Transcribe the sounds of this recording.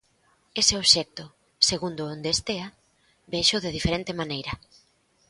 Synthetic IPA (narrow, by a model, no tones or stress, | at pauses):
eseoβʃɛk̚t̪ʊ | seɣund̪ʊond̪est̪ea | beʃʊðeðifeɾent̪emanejɾɐ